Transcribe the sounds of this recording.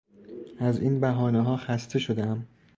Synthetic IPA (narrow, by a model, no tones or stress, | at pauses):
ʔæziːnbæɦɒːneɦɒːxæst̪ʰe̞ʃo̞d̪eæm